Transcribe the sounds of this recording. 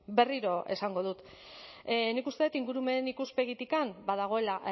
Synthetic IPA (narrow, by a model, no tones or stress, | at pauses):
be̞riɾo̞ʔe̞̰saŋɡo̞ð̞ut̪ | nikust̪e̞t̪iŋɡuɾume̞nikuspe̞ɣit̪ikambað̞aɣ̞o̞e̞la